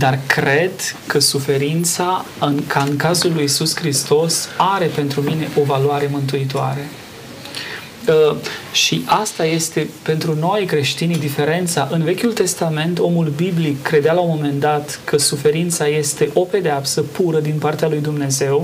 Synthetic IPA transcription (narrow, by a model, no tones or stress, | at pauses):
d̪arkɾe̞d̪kəsufe̞ɾint̪sa | ɨnkʰaɨŋkazulːujisuskɾist̪o̞saɾe̞pe̞nt̪ɾumine̞ʔo̞valwaɾe̞mɨnt̪̬uit̪oa̰ɾe̞ | ʃiʔast̪aje̞st̪e̞pe̞nt̪ɾuno̞jkɾe̞ʃt̪inid̪ife̞ɾe̞nt̪saʔɨnve̞kʲult̪e̞st̪ame̞nt̪o̞mulbiblikːɾe̞d̪ealaomo̞me̞nd̪at̪kəsufe̞ɾint̪saje̞st̪e̞ʔo̞pe̞d̪eapsəpuɾəd̪inpart̪ealujd̪umne̞ze̞w